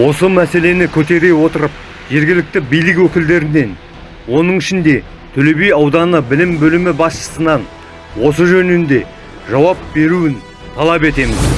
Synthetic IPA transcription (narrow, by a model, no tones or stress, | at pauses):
wo̞səmæse̞le̞nɪkʲʰɵt̪e̞ɾe̞wo̞t̪əɾəp̚ | ʒe̞ɾɡʲɪlɪk̚t̪ɪbijlɪkwɵkʲɪld̪e̞ɾɪne̞n | wo̞nəɴɪʃɪnd̪e̞ | t̪ʰɵle̞be̞jɑwd̪ɑnəbɪlɪmbɵlɪmɪbɑsʃə̥sənɑn | wo̞səʒɵnɪnd̪e̞ | ʒɑwɑp̚be̞ɾuɪn | t̪ʰɑlˠɑpe̞t̪e̞mɪz